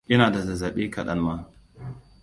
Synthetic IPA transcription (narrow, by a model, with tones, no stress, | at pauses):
ʔɪ˦naː˨da˨zɐ˨zɐ˨ɓeː˦kɐ˨ɗɐ̰˦nmaː˦